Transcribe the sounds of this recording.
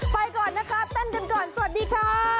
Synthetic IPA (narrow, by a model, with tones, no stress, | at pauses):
pa˧jkɔː˨˩nːa˦˥kʰa˦˥t̪a˥˩ŋka˧nkɔː˨˩nsa˧wa˨˩t̪̚diː˧kʰɾaː˦˥